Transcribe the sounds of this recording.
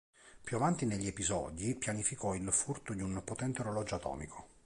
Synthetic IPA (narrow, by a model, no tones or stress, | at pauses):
pjuavant̪ineʎːiepizɔ̰d̪ipjanifikɔilfurt̪od̪iunpot̪ɛnt̪eoɾolɔd͡ʒat̪ɔ̰ːmikʰo